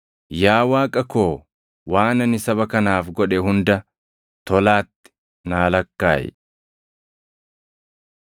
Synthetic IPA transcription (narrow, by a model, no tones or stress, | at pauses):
jaːwaːkʼɐkoː | waːnɐnɪsɐbɐkɐnaːfɡɔᶑɛɦʊnd̪ɐ | t̪ɔlaːt̪ːɪ̥ | naːlɐkːa̰ːjɛ̰